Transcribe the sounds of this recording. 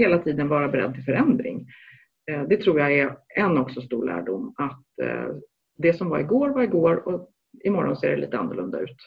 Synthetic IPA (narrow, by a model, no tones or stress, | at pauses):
heːlat̪ʰiːd̪ənvɑːɾabɛɾɛ̰d̪̚t̪ʰɪlfœɾɛnd̪ɾɪ̰ŋ | d̪ɛt̪ʰɾuːɾjaɛɛnɔksɔst̪uːɭæ̰ːɖʊmːat̪ | d̪ɛsɔmvaɾɪɡoːɾvaɾɪɡoːɾɔ | ɪmɔɾɔnsḛːɖɛlḭːt̪əa̰nːʊlɵ̰nd̪a̰ʉ̟ːt̪